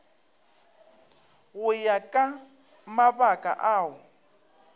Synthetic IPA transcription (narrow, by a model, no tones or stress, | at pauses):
ɣʊjakʼa | maβakʼa̰ʔaːʊ